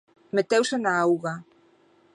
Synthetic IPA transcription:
met̪ewsenaawɣa

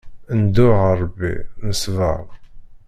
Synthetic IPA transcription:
ənd̪ʊʁəɾˤbːḭnəsvə̰ʁ

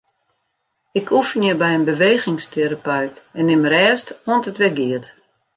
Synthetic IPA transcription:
ɪkʰufənjəbɛjənbəʋeːɣɪŋstʰeɾapœɥtɛnːɪmɾɛːstoəntətʋɛɡɪət

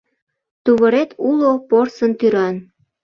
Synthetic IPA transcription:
t̪uβəɾet̪ʰuloporsənt̪yɾɑn

